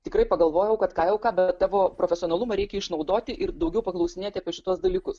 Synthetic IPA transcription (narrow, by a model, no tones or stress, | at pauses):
t̪ʲɪkɾɐɪpɐɡɐlˠʋoːjɛʊkɐt̪kɑːjɛʊkɑːbʲɛtt̪ːɑːʋoːpɾoːfʲɛsʲɪoːnɐlˠʊmɐɾʲɛɪkʲɛɪʃnɐʊd̪oːt̪ʲɪʔɪɾd̪ɐʊɡʲɛʊpɐklˠɐʊsʲɪnʲeːt̪ʲɪɐpʲiɛʃʲɪt̪uɔsd̪ɐlʲiːkʊs